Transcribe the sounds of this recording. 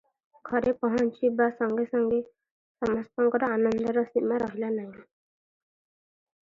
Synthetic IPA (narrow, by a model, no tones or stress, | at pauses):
ɡʱɔɾepɔɦɔnt͡ʃibasɔŋɡesɔŋɡe | sɔmaspɔŋkɔɾɔanɔnd̪ɔɾɔsinmaɾɔɦilanaj̃